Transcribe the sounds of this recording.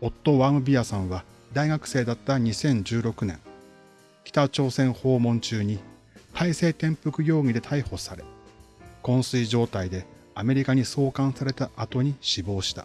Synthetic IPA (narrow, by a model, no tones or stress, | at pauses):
o̞t̪ːo̞βamɯ̟bʲiasãɰ̃βa | d̪aiɡakɯ̟̥se̞ːd̪at̪ːaɲ̟isẽ̞ɲ̟d͡ʑɨːɾo̞kɯ̟nẽ̞ŋ | kʲi̥t̪at͡ɕo̞ːsẽ̞ɰ̃ho̞ːmõ̞ɲt͡ɕɨːɲ̟i | t̪ʰaise̞ːt̪ẽ̞mpɯ̟kɯ̟jo̞ːɡ̟id̪e̞t̪ʰaiho̞saɾe̞ | kõ̞ɰ̃sɨiʑo̞ːt̪aid̪e̞ | ame̞ɾʲikaɲ̟iso̞ːkãɰ̃saɾe̞t̪aʔat̪o̞ɲ̟iɕibo̞ːɕi̥t̪a̰